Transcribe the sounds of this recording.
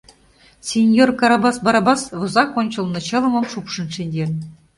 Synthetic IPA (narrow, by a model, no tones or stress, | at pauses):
sʲenʲjorkɑɾɑbɑsbɑɾɑbɑsʋɤ̆zɑkonʲt͡ɕɤ̆lˠnɤ̆t͡ɕɤ̆lˠɤ̆mɤ̆mʂupʂɤ̆nʂenʲd̪ʲe